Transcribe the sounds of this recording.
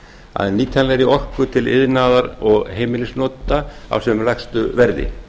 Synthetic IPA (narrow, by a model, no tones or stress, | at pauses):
a̰ðɛniːt̪ʰanlɛɾiɔhkʏt̪ʰɪlɪ̰ðnaːðaɾɔɣɦeːjmɪlɪsnɔːt̪aa̰wsɛmlɛxst̪ʏvɛɾðɪ̰